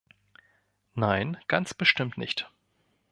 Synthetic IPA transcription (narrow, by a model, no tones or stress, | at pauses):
naɪnɡ̥ant͡sb̥əʃtɪmtnɪçt